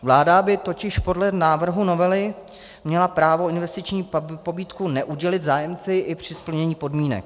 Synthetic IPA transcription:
vlaːdabɪt̪o̞cɪʃpo̞dlɛnaːvr̩ɦuno̞vɛlɪ | mɲɛlapɾaːvo̞ɪnvɛst̪ɪt͡ʃɲiːpo̞biːt̪kunɛʔuɟɛlɪt̪zaːjɛmt͡sɪʔɪpr̝̥ɪspl̩ɲɛɲiːpo̞dmiːnɛ̰k̚

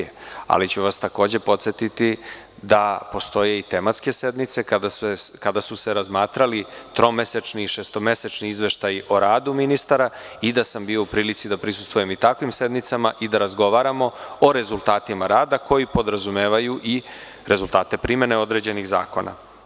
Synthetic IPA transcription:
a̰lit͡ɕuʋast̪ako̞ːd͡ʑe̞po̞t̪se̞t̪it̪i | d̪apo̞st̪o̞je̞it̪e̞mat̪ske̞se̞d̪nit̪se̞kad̪aseskad̪asuse̞ɾazmaːt̪ɾalit̪ɾo̞meset͡ʃniʃest̪o̞me̞set͡ʃniizʋe̞ʃt̪ajiʔo̞ɾaːd̪uminist̪aɾa | id̪asambio̞upɾiːlit̪sid̪apɾisu̥st̪vuje̞mit̪akʋimse̞d̪nit̪samaʔid̪aɾazɡo̞ʋaɾamo̞oɾe̞zulˠt̪aːt̪imaɾaːd̪ako̞jipo̞d̪ɾazume̞ːʋajuʔi | ɾe̞zulˠt̪aːt̪e̞pɾime̞neo̞d̪ɾe̞d͡ʑe̞niɣza̰ːko̞̰na̰

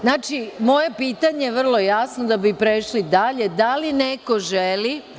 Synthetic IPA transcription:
znaːt͡ʃimo̞je̞piːt̪aɲejeʋr̩lˠo̞jasnod̪abipɾeʃlid̪aʎe̞d̪alineko̞ʒeli

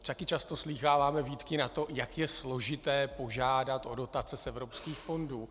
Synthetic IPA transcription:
t̪akɪt͡ʃast̪o̞sliːxaːvaːmɛviːt̪kɪnat̪o̞jakjɛslo̞ʒɪt̪ɛːpo̞ʒaːdat̪ʔo̞do̞t̪at͡sɛsʔɛvɾo̞pskiːxfo̞nduː

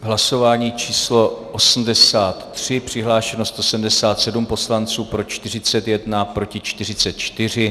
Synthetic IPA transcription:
ɦlaso̞vaːɲiːt͡ʃiːslo̞ʔosm̩dɛsaːt̪ːr̝̥ɪpr̝̥ɪɦlaːʃɛnost̪osɛmdɛsaːt̪sɛdumpo̞slant͡suːpɾo̞t͡ʃt̪ɪr̝ɪt͡sɛt̪jɛdnapɾo̞cɪt͡ʃt̪ɪr̝ɪt͡sɛt̪̚t͡ʃt̪ɪr̝ɪ

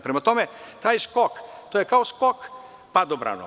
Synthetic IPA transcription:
pɾɛmat̪omet̪aːjskokt̪ojekaoskok | pad̪obɾa̰no̰

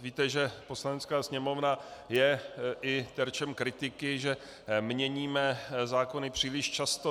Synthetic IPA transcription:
viːt̪ɛʒɛpo̞slanɛt͡skaːsɲɛmo̞vnajɛʔɪt̪ɛɾt͡ʃɛmkɾɪt̪ɪkɪʒɛ | mɲɛɲiːmɛzaːko̞nɪpr̝̥iːlɪʃt͡ʃast̪o

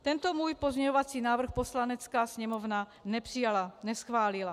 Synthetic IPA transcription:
t̪ɛnt̪ɔmuːjpɔzmɲɛɲɔʋat͡siːnaːʋr̩xpɔslanɛt͡skaːsɲɛmɔvna | nɛpr̥ijalaɲɛsxʋaːlila

